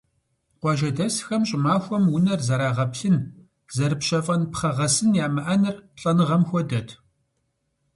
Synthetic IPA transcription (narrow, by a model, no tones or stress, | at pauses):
qʷɑːʒɐdɐsxɐmɕʼɪmaːxʷɔmwʊnɐrzɐɾaːʁɐpɬɨn | zɐɾɨpɕɐfʼɐnpχɐʁɐsɨnjaːmɨʔanɨrɬʼɐnɨʁɐmxʷɔdɐtʰ